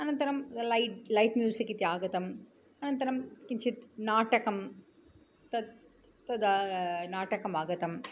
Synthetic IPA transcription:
ɐnɐnt̪ɐɾɐmlɐɪlɐɪʈmjuːsɐkːit̪iaːɡɐt̪ɐm | ɐnɐnt̪ɐɾɐmkɪɲt͡ʃɪt̪naːʈɐkɐm | t̪ɐ | t̪ɐd̪anaːʈɐkɐmaːɡɐt̪ɐm

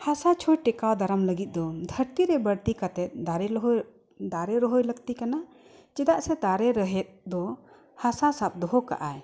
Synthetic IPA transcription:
hasat͡ʃʰɔjʈɛkawd̪aɾamləɡit̪̚ˀd̪ɔd̪ʱəɾt̪iɾɛbəɽt̪ikat̪ɛt̪̚d̪aɾɛɦ | d̪aɾɛɾɔɦɔjləɡt̪ikana | t͡ʃɛd̪aʔsɛd̪aɾɛɾəɦɛt̪̚d̪ɔ | hasasap̚d̪ɔɦɔka̰ʔaj

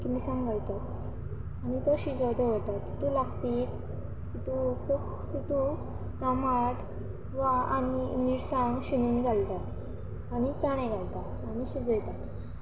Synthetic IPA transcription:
kimisãŋɡʱalt̪at̪ | añit̪ɔɕid͡zɔd̪əʋəɽt̪at̪kit̪ulaɡt̪i | kit̪uk̪ | kit̪u | ɡ̪amaʈ | ʋaaɽiniɾsãŋɡɕiniŋɡʱalt̪at | aɽ̃it͡saɽ̃ɛ̃ɡʱalt̪a | añiɕid͡zəjt̪at̪

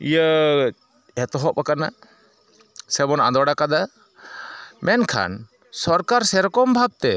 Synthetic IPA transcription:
ijə | ɛt̪ɔɦɔʔbakana | sɛbɔna̰nd̪waɽakad̪a | mɛnkʰa̰n | sɔɾkaɾsɛɾɔkɔmbʱab̚t̪ɛ

